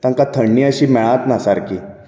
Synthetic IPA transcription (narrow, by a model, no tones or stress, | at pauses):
t̪ãŋkat̪ʰəɳːiəɕiːmɛɭãt̪nasaɾkiː